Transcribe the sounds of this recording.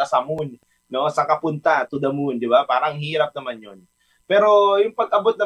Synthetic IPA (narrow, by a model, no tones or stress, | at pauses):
asamun | nɔsakapunt̪at̪udamund͡ʒibapaɾaŋɦiɾap̚namaɲɔn | pɛɾoimpat̪abʊt̪̚na